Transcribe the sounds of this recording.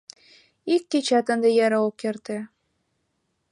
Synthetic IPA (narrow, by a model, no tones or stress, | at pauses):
ikːet͡ɕæt̪ə̆nd̪ĕjæɾɑokːert̪ĕ